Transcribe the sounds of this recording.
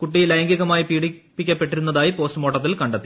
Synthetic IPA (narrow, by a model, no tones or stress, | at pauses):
kuʈːilɐjɐŋɡiɣɐmaːjipiːɽipːikʲːɐpːe̞ʈːiɾunːɐðaːjipo̞ːstɨmo̞ːʈːɐt̪ːilkɐɳɖɐt̪ːi